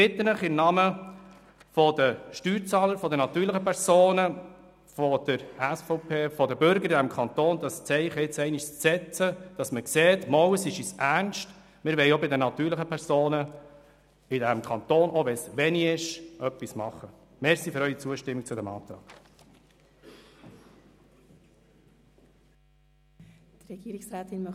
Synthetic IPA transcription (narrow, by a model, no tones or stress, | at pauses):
b̥ɪt̪ːənləχɪmnɑmə | fɔd̥əʃtyːɾt͡sɑːləɾfɔd̪ənɑt̪yːɾləχəpʰɛɾz̥oːnə | fɔd̥əɾæsfɔʊpʰeːfɔdəbʏɾɡəɾɪdæmkʰɑnt̪oːnd̪ɑst͡sɛɪχəɪt͡sɛɪniʃst͡sɛt͡səd̥ɑsməkseːtmɔwəsɪʃisʔæɾnʃt | mɪɾʋɛɪobɪdənɑt̪yːɾləχəpʰɛɾsoːnə | ɪdæmkʰɑnt̪oːnɔʋɛsʋɛniɪʃʔœpːismɑχə | mɛɾsiføɾœʏit͡suəʃtɪmːik̚t͡sʊdæmɑ̰ːt̪ɾɑ̰ːɡ̥ | t̪ɾɛɡ̥iːɾɪksɾæːt̪ɪnmœ